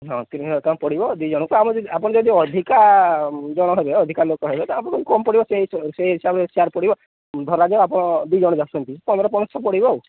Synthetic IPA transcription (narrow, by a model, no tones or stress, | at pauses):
ɦɔ̃t̪it̪ɔãpɔɽibɔd̪id͡ʒɔɽ̃ɔkɔamapɔɽ̃ɔd͡ʒɔd̪iɔd̪ʱika | d͡ʒɔɽ̃ɔɦɔbeɔd̪ʱikalokɔɦebet̪ɔapɔɾɔkɔkukɔmpɔɽibɔseɦisseɦisabesaɾpɔɽibɔ | d̪ʱɔɾad͡ʒɔkapɔɽ̃ɔd̪uid͡ʒɔɽɔd͡ʒasunt̪ipɔnd̪ɾɔpɔɽ̃ɔst̪ʰɔpɔɽibɔw